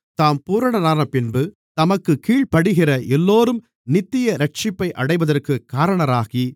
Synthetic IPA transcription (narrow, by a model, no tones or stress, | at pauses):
t̪aːmpuːɾɐɳɐɾaːnɐpɪnbɯ | t̪ɐmɐkːɯkiːɭpɐɽɯɣɪrɐʔɛlːoːɾɯm | nɪt̪ːɪjɐɾɐʈ̚t͡ʃɪpːɐɪʔɐɽɐɪʋɐðɐrkɯkːaːɾɐɳɐɾaːɣi